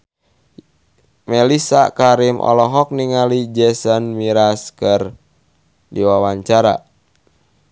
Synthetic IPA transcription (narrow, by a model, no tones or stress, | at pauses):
mɛlisakaɾimʔɔ̰lɔɦɔk̚niŋalid͡ʒɛsənmiɾaskər | diwawaɲt͡ʃaɾa̰